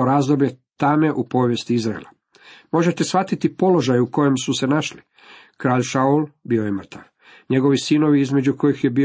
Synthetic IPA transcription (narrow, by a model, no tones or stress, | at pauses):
oɾaːzd̪o̞bʎet̪ame̞ʔupo̞ʋje̞st̪iizɾaḛlˠa | mo̞ʒet̪e̞sʋat̪it̪ipo̞lo̞ʒajuko̞je̞msuse̞naʃli | kɾaːʎʃaulbio̞jemr̩t̪ʰaʋ | ɲe̞ɡo̞ʋisino̞ʋiizme̞d͡ʑuko̞jixje̞bi